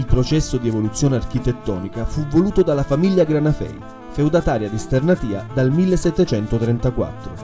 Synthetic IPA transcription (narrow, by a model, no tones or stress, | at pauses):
ilpɾot͡ʃɛsːod̪ievolut̪sːjoːneark̟it̪et̪ːɔ̰ːnikafuvːoluːt̪od̪alafamilːjaɡɾanafɛ̰j | fewd̪at̪aːɾjad̪ist̪ernat̪iːad̪almilːesːɛt̪ːet͡ʃɛnt̪ot̪ɾɛnt̪akwa̰t̪ːɾo